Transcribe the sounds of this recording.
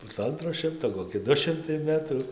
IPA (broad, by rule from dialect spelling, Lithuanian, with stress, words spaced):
pʊˈsɐntroː ˈʃʲɪmtoː koːˈkʲɪ ˈdʊ ˈʃʲɪmtɐɪ ˈmʲæːtruː